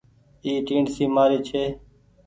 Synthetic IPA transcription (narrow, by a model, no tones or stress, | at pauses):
iːʈiːɳsiːmaːɾeːt͡ʃʰeː